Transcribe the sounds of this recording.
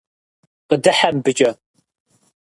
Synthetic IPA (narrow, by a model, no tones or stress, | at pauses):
qʼədɨħambɨt͡ʃʼɐ